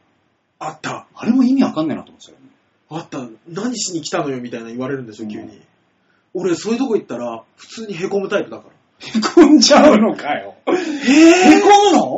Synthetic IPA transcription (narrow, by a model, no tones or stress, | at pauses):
at̪ːaaɾe̞moimʲiakãnːena̰t̪omsjone | at̪ːanaɲ̟iɕiɲ̟ikʲi̥t̪ano̞jo̞mʲit̪ainaiβaɾe̞ɾɯ̟̃nd̪esijo̞kʲɨ̰ːɲ̟ːḭ | o̞ɾe̞so̞ːjiɯ̟t̪̬o̞koit̪ːaɾaɸɯ̟̥t͡sɨːɲ̟iɦe̞ko̞mɯ̟t̪aipɯ̟d̪akaɾa | hekʰõnt͡ɕaɯnokajoheːhekomɯ̟no